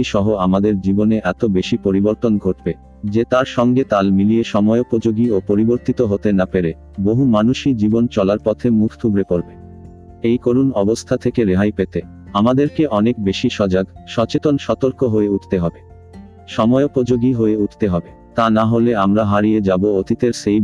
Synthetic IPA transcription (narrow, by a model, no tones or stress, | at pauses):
iʃɔɦoamad̪eɾd͡ʑiboneʔɛt̪obeʃipoɾiboɾt̪onɡʱoʈbe | d͡ʑet̪aɾʃɔŋɡet̪almilieʃɔmɔeopod͡ʑoɡiopoɾiboɾt̪it̪oɦot̪enapeɾe | boɦumanuʃid͡ʑibont͡ɕɔlaɾpɔt̪ʰemukʰt̪ʰubɾepoɾbe | ejkoɾunɔbost̪ʰat̪ʰekeɾeɦajpet̪e | amad̪eɾkeʔɔnek̚beʃiʃɔd͡ʑaɡʃɔt͡ɕet̪onʃɔt̪oɾkoɦoeuʈʰt̪eɦɔbe | ʃɔmɔeopod͡ʑoɡiɦoeuʈʰt̪eɦɔbe | t̪anaɦoleamɾaɦaɾijed͡ʑaboot̪it̪eɾʃej